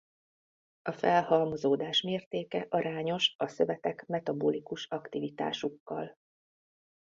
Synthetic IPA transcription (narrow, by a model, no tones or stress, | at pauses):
ɒfɛlhɒlmo̞zoːd̪aːʃmeːrt̪eːkɛʔɒɾaːɲo̞ʃɒsø̞vɛt̪ɛkmɛt̪ɒboːlikuʃɒkt̪ivit̪a̰ːʃukːɒl